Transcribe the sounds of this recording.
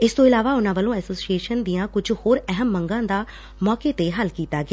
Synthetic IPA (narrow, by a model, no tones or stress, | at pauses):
ɪst̪õːɪlaːʋaːʊnãːʋəlõːɛːsoːsieːʃənd̪ijãːkʊd͡ʒhoːɾɛɦəmːəŋɡãːd̪aː | mɔːkeːt̪eːɦəlkiːt̪aːɡɪː